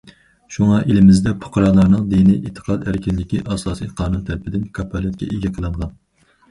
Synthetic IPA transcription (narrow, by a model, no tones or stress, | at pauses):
ʃuŋɑʔelɪmɪzd̪ɛpʰʊ̥qʰɾɑnlˠɑɾnɨŋd̪iniʔet̪ʰːə̥qʰɑt̪æɾkʲʰinlɪkʲiʔɑːsɑːsijqʰɑːnunt̪ʰælɪpʰɪd̪ɪnkʰɑpʰːɑlɛt̪̚kʲɛ̰ʔeɡʲɛqʰəlˠɨɴʁɑn